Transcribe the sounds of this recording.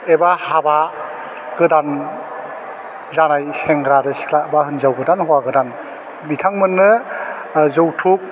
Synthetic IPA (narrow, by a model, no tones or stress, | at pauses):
ebahaba | ɡɯdan | zanajseŋɡɾadɯsi̥kʰlaʔ̚bahɯnzawɡɯdanhɔwaɡɯdan | mitʰaŋmɯnːɯ | zɯwtʰuk̚